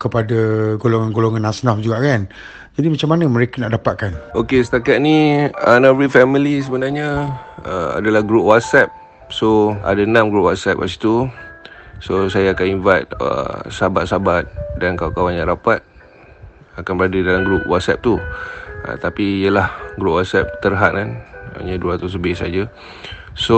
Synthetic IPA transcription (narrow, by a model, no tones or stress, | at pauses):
kəpadaɡoloŋanɡoloŋãnasnafd͡ʒuɡaʔkan | d͡ʒadimat͡ʃamanəməɾekanaʔdapat̪̚kanokesət̪akat̪̚niənãvɾifɛmilis̬əbənaɲaəa̰dalahɡɾup̚wat̪̚sɛp̚ | soa̰danãmɡɾup̚wat̪̚sɛ̰p̚ka̰si̥t̪u | sosajaːkaninvajt̪̚ə̰sabat̪̚sabat̪̚dankawkawanɲãʔɾapat̪̚ | akanbəɾadədalamɡɾup̚wɔt̪̚sɛp̚t̪u | a̰t̪apijəlahɡɾup̚wɔt̪̚sɛp̚t̪ərɦat̪̚kana̰ɲəduat̪us̬əbɪsa̰d͡ʒa | so